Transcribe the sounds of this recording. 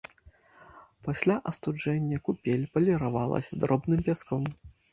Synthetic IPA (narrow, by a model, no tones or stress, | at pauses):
pasʲlʲaʔɐst̪ud͡ʐɛnʲːɐkupʲelʲpɐlʲɛɾavalˠɐ̰sʲɐd̪ɾʔɔbnɨmpʲaskɔm